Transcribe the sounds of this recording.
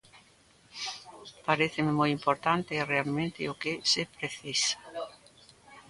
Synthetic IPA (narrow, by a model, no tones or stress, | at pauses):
paɾeθɪmɪmojimpoɾt̪ant̪ɪɛrealmẽnt̪ɪ̰ʊkɪsɪpɾeθisḁ